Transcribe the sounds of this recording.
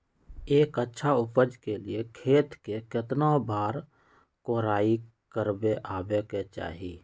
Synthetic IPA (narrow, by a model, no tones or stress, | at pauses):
eːkətːʃʰaʊpəd͡ʒkeliekʰeːt̪kekɪt̪nabaːɾ | koːɾaːi | kəɾbeʔaːbeket͡ʃa̰ːɦiː